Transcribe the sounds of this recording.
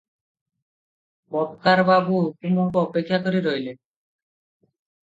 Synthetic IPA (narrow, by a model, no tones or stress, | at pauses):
bɔpkaɾbabuɦukumukoɔpekʰːjakoɾiɾojle